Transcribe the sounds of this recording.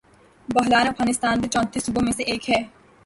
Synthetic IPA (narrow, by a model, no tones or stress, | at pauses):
bɐɦlaːnɐfɡaːnɪst̪aːnd̪et͡ʃɔ̃ːnt̪iːsʊbomẽseʔeːkɦɛː